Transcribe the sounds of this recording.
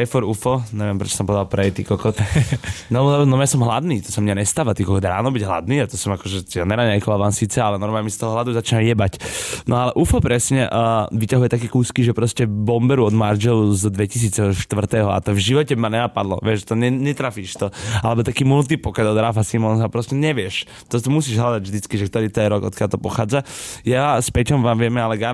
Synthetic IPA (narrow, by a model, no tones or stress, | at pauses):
ɛfɔɾufɔɲɛʋɛmpɾɛt͡ʃɔ̥sɔmpɔʋɛd̪alpɾɛjt̪iːkɔkɔt̪nɔnɔmjasɔmɦlad̪niːt̪ɔsamɲaɲɛst̪aːʋat̪iːkɔkɔt̪ɾa̰ːnɔbiɟɦla̰d̪niːat̪ɔsɔmakɔʒɛanɛɾaɲɛjkɔʋaʋansiːt͡sɛalɛnɔɾmaːɲɛmɛsi̥t̪ɔɦɔɦlad̪uzat͡ʃinamjɛbacnɔalɛʔufɔpɾɛsɲɛʔːʋicaɦujɛt̪akɛːkuːskiʒɛpɾɔscɛbɔmbɛɾuɔd̪mard͡ʒɛluzd̪ʋɛcis̬iːt͡sɛɦɔʃt̪ʋr̩t̪ɛːɦɔa̰t̪ɔvʒiʋɔcɛbimaɲɛnapad̪lɔ̰ʋɪɛʃt̪ɔɛɲɛt̪ɾafiːʃt̪ɔalɛbɔt̪akiːmult̪ipɔkɛd̪ɔd̪ɾafasimɔnsapɾɔscɛɲɛʋɪɛʃ | t̪ɔt̪ɔmus̬iːʒɦlad̪aɟvʒd̪it͡skiʒɛkt̪ɔɾiːt̪ɔjɛɾɔɡɔ̰t̪kjalt̪ɔpɔxaːd͡zajaspɛcɔmʋaːmʋɪɛmɛalɛɡa